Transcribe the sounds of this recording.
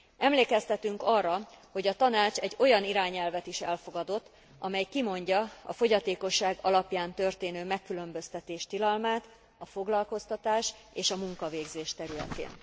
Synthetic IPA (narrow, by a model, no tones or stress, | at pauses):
ɛmleːkɛst̪ɛt̪yŋkɒrːɒho̞ɟɒt̪ɒnaːt͡ʃɛɟːo̞jɒniɾaːɲɛlvɛt̪iʃɛlfo̞ɡɒd̪o̞t̪ː | ɒmɛjkimo̞ɲɟɒɒ̰fo̞ɟɒt̪eːko̞ʃːaːɡɒlɒpjaːnt̪ørt̪eːnøːmɛkːylø̞mbø̞st̪ɛt̪eːʃt̪ilɒlmaːt̪ | ɒfo̞ɡlɒlko̞st̪ɒt̪aːʃeːʃɒmuŋkɒveːɡzeːʃt̪ɛɾylɛ̰t̪ḛːn